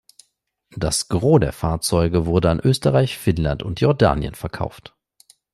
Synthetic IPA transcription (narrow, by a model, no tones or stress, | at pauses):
d̥asɡ̥ʁoːdeːɐfaːɐt͡sɔʏɡəvʊɐdəanʔøːstəʁaɪçfɪnlantʊntjɔɐda̰ːnjə̰nfɛɐkʰa̰ʊft